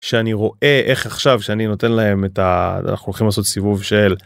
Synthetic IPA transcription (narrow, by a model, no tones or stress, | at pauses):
ʃeaniʁo̞ʔe̞ʔe̞χaχʃavʃeanino̞te̞nlae̞metaa̰na̰χnuolχimlaːso̞t̪sivuvʃe̞l